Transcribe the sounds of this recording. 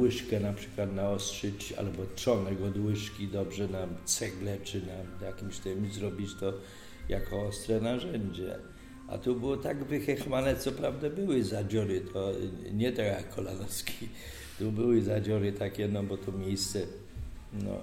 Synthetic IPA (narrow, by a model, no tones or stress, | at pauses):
wɪʂkɛnapʂɘ̥kwat̪naɔst̪ʂɛt͡ɕa̰lbɔt͡ʂɔnɛɡɔd̪wɪʂkʲid̪ɔbʐɛnat̪sɛɡlɛt͡ʂɘnajakʲimɕt̪ɪmzɾɔbʲit͡ɕt̪ɔ | jakɔɔst̪ɾɛnaʐɛɲd͡ʑɛ̰ | a̰t̪ubɪwɔt̪aɡvɘxɛxmanɛt̪sɔpɾavd̪abɘwɘzad͡ʑɔɾɪt̪ʰɔɲɛt̪akʰɔlad̪ɔskʲi | t̪ubɘwɘzad͡ʑɔɾɘt̪akʲɛnɔbɔt̪ɔmʲjejst̪sɛ | nɔ̰